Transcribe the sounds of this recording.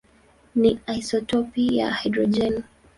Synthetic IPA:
niajsɔtɔpija̰hajdɾɔd͡ʒɛn

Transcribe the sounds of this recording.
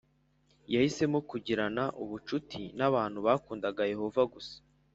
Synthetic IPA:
jahise̞mokuɟiɾanaʔuβut͡ʃutʰinaβaːn̥huβaːkuːndaɡaje̞ho̞vaɡusḁ

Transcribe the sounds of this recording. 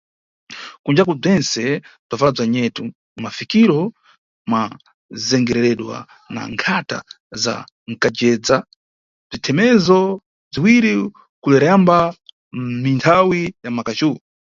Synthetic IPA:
kund͡ʒakub͡ʐɛnsɛb͡ʐavab͡ʐaɲɛtu | mafikiɾɔ | mwa | zɛŋɡɛɾɛɾɛɗwa̰ | na̰ŋkʰata̰ | za̰ | ŋ̩kad͡ʒɛːd͡za | b͡ʐitʰɛmɛzɔ | b͡ʐiwiɾi | kulɛɾɛjamba | mintʰawijamakat͡ʃuu

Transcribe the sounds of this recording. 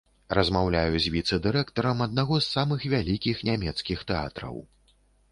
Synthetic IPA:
rɐzmawlʲajuzʲvʲit̪sɨd̪ɨɾɛkt̪ɐɾɐmɐd̪̚naɣɔzːamɨxvʲalʲikʲixnʲamʲɛt̪skʲixt̪ɛa̰t̪ɾɐ̰w

